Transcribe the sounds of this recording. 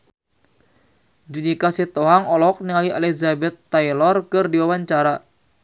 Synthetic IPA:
d͡ʒunikasit̪oɦaŋɔlɔk̚niŋaliʔalɛzabɛt̪ːailɔrkɨrdiwawaɲt͡ʃaɾa

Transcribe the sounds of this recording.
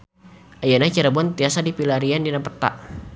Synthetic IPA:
ʔajanat͡ʃiɾabuant̪iasadipilaɾiandinampərt̪a̰ʔ

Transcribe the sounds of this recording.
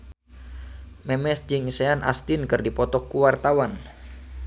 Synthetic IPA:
mɛmɛsd͡ʒɨŋisɛanʔa̰st̪inkɨrdipɔt̪ɔkːuwart̪awan

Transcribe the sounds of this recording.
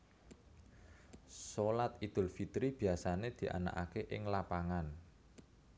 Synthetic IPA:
solat̪̚id̪̥ʊ̤lfit̪ɾib̥i̤asaned̪̥i̤ʔa̰na̰ka̰keʔɪŋlapaŋan

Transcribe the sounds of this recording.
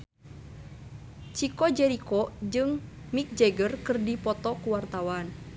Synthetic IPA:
t͡ʃikɔd͡ʒɛɾikɔd͡ʒɨŋ | mik̚d͡ʒɛɡərkɨrdipɔt̪ɔkuwart̪awan

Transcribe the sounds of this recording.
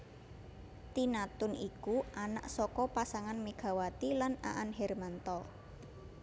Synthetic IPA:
t̪inat̪ʊnikuʔanaʔsɔkɔpasaŋanmeɡ̥a̤wat̪ilana̰ʔanɦɛrmant̪ɔ

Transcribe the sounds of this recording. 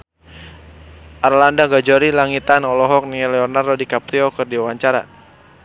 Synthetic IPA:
ʔarlandaɡad͡ʒɔɾilaŋit̪anɔlɔɦɔk̚niɛlɛɔrnardodikap̚ɾiɔkɨrdiawaɲt͡ʃaɾa̰

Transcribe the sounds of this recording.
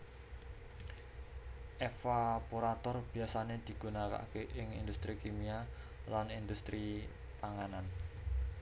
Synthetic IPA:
ʔefapuɾat̪ɔrb̥i̤asaned̪̥i̤ɡ̥unaka̰keʔɪŋḭnd̪ust̪ɾikimia | lanind̪ust̪ɾi | paŋanan

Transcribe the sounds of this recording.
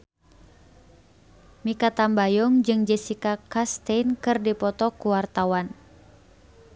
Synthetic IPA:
mikat̪ambajɔŋd͡ʒɨŋd͡ʒɛsikakast̪einkɨrdipɔt̪ɔkuwart̪awan

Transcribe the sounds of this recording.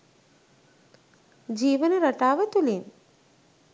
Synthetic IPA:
d͡ʒiːʋənəɾɐʈaːʋət̪ulin

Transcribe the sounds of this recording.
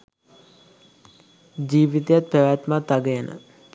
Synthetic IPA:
d͡ʒiːʋit̪ejat̪̚pæʋæt̪mat̪ːaɡəjənʔə̰

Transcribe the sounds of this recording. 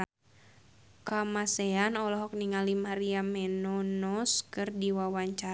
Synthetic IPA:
kamasɛanɔlɔɦɔk̚niŋalimaɾiamɛnɔnɔskɨrdiwawaɲt͡ʃa

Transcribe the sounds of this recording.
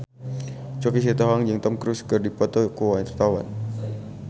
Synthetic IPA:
t͡ʃɔkis̬ɛt̪ɔɦaŋd͡ʒɨŋt̪ɔmkɾuskɨrdipɔt̪ɔkuwaint̪ərt̪awa̰n

